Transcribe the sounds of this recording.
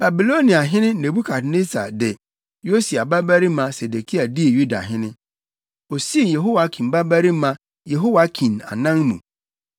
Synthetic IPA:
b̥a˨bi˨lo˦nĩ˨a˨ɦɪ̃˦nɪ̃˦nẽ˨bu˦kʰa˨tne˦sʰa̰˨dɛ˨ | jo˦si˨a˨ba˦bæ˦ɾi˦mã˨se˨de˨kʰi˦a˨di˦e˨ju˦da̰˨ɦɪ̃˦nɪ̃˦ | ɔ˨si˦˨jɛ˨ɦo˦wa˨˦kʰĩ˨nba˦bæ˦ɾi˦mã˦ | jɛ˨ɦo˦wa˨˦kʰĩ˨na̰˨nã˦ŋmṵ̃˨

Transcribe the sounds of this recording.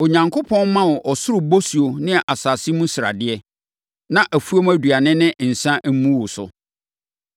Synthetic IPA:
o˨ɲã˨ŋkʰʊ˦pʰɔ̃˦n˦mã˦wʊ˨ʔɔ˨sʊ˦ɾʊ˨bo˦si˨o˨nɪ̃˦ɛ˨ʔa˨saː˨si˦mũ˦sɪ˨ɾa̰˨dɪ˦ɛ˦ | nã˦ʔæ˨fu˦o˦mæ˦dɥa˨nɪ̃˦nɪ̃˦n̩˨sã˦ʔ̩˦mũ˦wʊ˨sʊ̰˨

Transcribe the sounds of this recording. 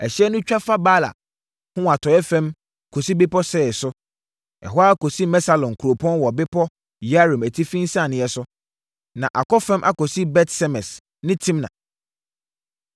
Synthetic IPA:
ɛ˨ɕi˦ɛ˦nʊ̃˦t͡ɕᶣa˦fa˦baː˦la̰˨ | hʊ̃˦a˨tʰɔ˨ɛ˦fɛ̃˦m | kʰo˨si˦bɪ˦pɔ˦sɛ˦˨ɛ˨sʊ˦ | ɛ̰˨ɦɔ˦a˦kɔ˨si˦mɛ˦sa˨lɔ̃˨n˨kʰu˨ɾo˨pʰɔ̃˦nwɔ˨bɪ˦pʰɔ˦ | ja˦ɾũ˨mæ˨tʰi˦fĩ˦n˦sã˦˨nɪ̃˨ɛ˨sʊ˦ | nã˨ʔa˨kɔ˦fɛ̃˦mʔa̰˨kɔ˨si˦bɛ˦tsɛ˦mɛ̃˨s | nɪ̃˦tʰĩ˦mnã̰˨

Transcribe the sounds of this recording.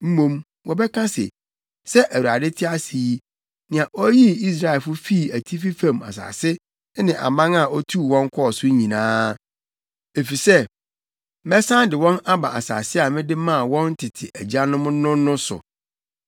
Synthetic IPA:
m̩˦mõ˦m | wɔ˨bɛ˦kʰã˦sɪ̰˨ | sɛ˦ʔæ˨wu˨ɾa˨dɪ˦tʰɪ˦a˦si˨i˦ | nɪ̃˨a˨ʔɔ˦ji˦i˦s̬ɾa˨ɛ˨lfʊ˦fi˦˨æ˨tʰi˦fi˦fã˨ma̰˨s̬a̰ː˨sɪ˦ | nɪ̃˨ʔa̰˨mã˦ŋa˨ɔ˦tʰu˦˨wɔ̃˦ŋ˦kʰɔ˦˨sʊ˦ɲĩ˨nãː˦ | e˨fi˨sɛ˦ | mɛ˦sã˦n˦dɪ˨wɔ̃˦na˦ba̰˨ʔa̰˨sa̰ː˨sɪ˦a˨mɪ̃˦dɪ˦mã˦˨wɔ̃˦n˦tʰɪ˨tʰɪ˨ʔæ˨d͡ʑa˦nʊ̃˦mʊ̃˦nʊ̃˦nʊ̃˦sʊ̰˨

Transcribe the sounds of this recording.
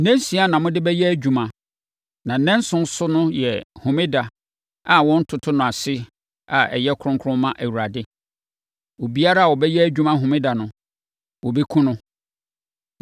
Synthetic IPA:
nɛ̃˦n˦si˨˦a˦nã˨mʊ̃˦dɪ˦bɛ˦jɛ˦æ˦˨d͡ʑᶣu˨mã˨ | nã˨n̩˨nɛ̃˦n˦sʊ̃˦n˦sʊ˦nʊ̃˦jɛ˨hʊ̃˨mɪ̃˦da˨ | a˨wɔ̃˦n̩˦tʰʊ˨tʰʊ˦nʊ̃˨a˨sɪ˦ | a˨ɛ̰˨jɛ˦kʰɾʊ̃˦ŋkʰʊ˦ɾʊ̃˦mmːã˦ʔæ˨wu˨ɾa˨dɪ˦ | wo˨bi˦a˦ɾa˦a˨wɔ˨bɛ˦jɛ˦æ˨d͡ʑᶣu˦mã˦ɦʊ̃˨mɪ̃˦da˨nʊ̃˨ | wɔ˨bi˦kʰũ˦nʊ̃˦

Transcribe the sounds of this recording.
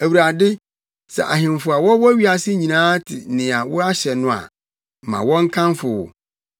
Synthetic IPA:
æ˨wɾa˨dɪ˦ | sɛ̰˨ʔa̰˨ɦɪ̃˨mfʊ˨a˨wɔ˦wɔ˦æ˦ɥi˦a˨sɪ˦ɲĩ˨nãː˦tʰɪ˨nɪ̃˨a˨wʊ˦a˦ɕɛ˨nʊ̃˦a̰˨ | mã̰˨wɔ̃˦ŋ̩˦kʰã˦nfʊ˨wʊ̰˨

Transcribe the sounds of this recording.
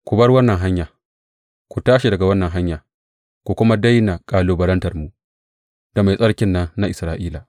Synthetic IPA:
kʷu˨bɐ˦rwɐ˦nːɐ˨ŋɦa˦ɲjaː˨ | kʷu˨taː˦ʃi˨dɐ˨ɡa˨wɐ˦nːɐ˨ŋɦa˦ɲja˨ | kʷu˨kʷʊ˦ma˦da˦jna˨kʼaː˨loː˨bɐ˨ɾɐ˦ntɐ˨rmu˨ | d̥a˨ma˨jsʼɐ˦ɽkʲɪ˦nːɐ˦nːa˦ʔɪ˨sɾaː˨ʔiː˦la˨

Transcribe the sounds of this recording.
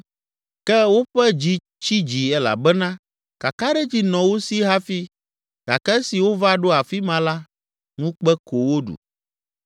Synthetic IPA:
kɛ˦wo˦ɸɛ˦d͡ʑi˦ | t͡ʃi˦d͡ʑi˨ɛ˦la̰˨bɛ˦nã˦ | ka˨ka˦ɖɛ˦d͡ʑi˦nɔ̃˨wo˦si˦ɦa˦fi˦ | ka̰˨kɛ˦si˨wo˦va˦ɖo˦a˨fi˦mã˨la˦ | ŋũ˦k͡pɛ˦ko˨wo˦ɖṵ˨

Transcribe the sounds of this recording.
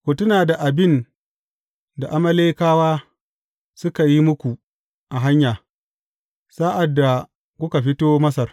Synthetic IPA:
kʷo˨tʊ˦naː˨da˨ʔa˨bɪ˦˨n | da˨ʔa˦mɐ˦leː˦kaː˦waː˦ | sʊ˦ka˨ji˦mʊ˦kʷu˨ | ʔa˨ɦa˦ɲjaː˨ | saː˦ʔa˨dːa˨ | kʷʊ˦ka˨ɸɪ˦toː˦mɐ˦sɐ˨r

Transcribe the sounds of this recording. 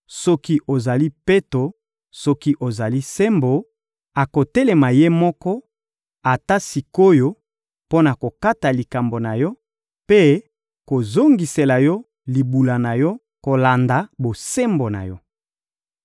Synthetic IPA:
sɔ˦ki˦ʔo˨za˨li˦pe˦to˨ | sɔ˦ki˦ʔo˨za˨li˦se˦mbo˨ | a˨ko˨te˦le˨ma˨je˦mɔ˦kɔ˦ | a˨ta˦si˨ko˦jo˨ | po˦na˨ko˨ka˦ta˨li˨ka˨mbo˨na˨jɔ˦ | pe˦ | ko˨zo˦ŋɡi˨se˨la˨jɔ˦ | li˨bu˨la˨na˨jɔ˦ | ko˨la˨nda˨bo˨se˦mbo˨na̰˨jɔ˦

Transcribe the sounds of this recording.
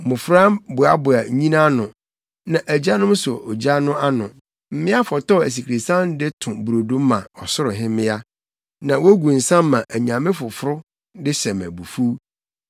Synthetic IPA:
mʊ̃˨fɾã˦bʊ˨a˦bʊ˨a˨ɲĩ˦nã˦nʊ̃˨ | nã˨ʔæ˨d͡ʑa˦nʊ̃˦m˦sʊ˨ʔɔ˨d͡ʑa˦nʊ̃˦a˦nʊ̃˨ | m̩˦mɪ̃˦a˦fɔ˨tɔ˦˨æ˨s̬i˨kʰɾi˨sã˦n˦dɪ˦tʰʊ̃˨bu˨ɾo˨dũ˦m˦mã̰˨ɔ˨sʊ˦ɾʊ˨ɦɪ̃˦mɪ̃˦a˦ | nã˨wɔ˦ɡũ˨n̩˨sã˦m˦mã˨ʔæ˨ɲ˨ã˨mɪ̃˦fʊ˨fʊ˦ɾʊ˦ | dɪ˦ɕɛ̃˨mæ̰˨bu˨fu˦

